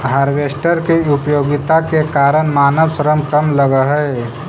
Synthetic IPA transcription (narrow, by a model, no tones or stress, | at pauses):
ɦaːɾʋesʈəɾkiʊpjoːɡɪt̪akekaːɾənmaːnəʋsəɾəmkəmləɡəɦəe